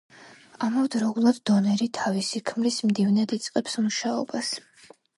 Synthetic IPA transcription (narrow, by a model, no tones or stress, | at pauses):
amɔvd̪ɾɔulˠad̪d̪ɔnɛɾit̪ʰavisikʰmlismd̪ivnɛd̪it̪sʼqʼɛpsmuʃaɔ̰bas